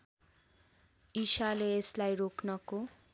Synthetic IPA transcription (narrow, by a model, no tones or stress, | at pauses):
isaleeslajroknʌko